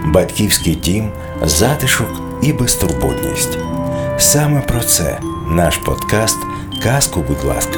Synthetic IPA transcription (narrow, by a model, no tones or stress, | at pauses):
bɐt̪ʲkʲiwsʲkɪjdʲim | zɑt̪ɪʃɔk | ibest̪ʊrbṵd̪ʲnʲḭsʲtʲsɑmɛpɾɔt̪sɛ̰ | nɑʃpɔ̰d̪̥kɑst̪ | kɑskʊbud̪ʲlˠɑ̰skɐ̥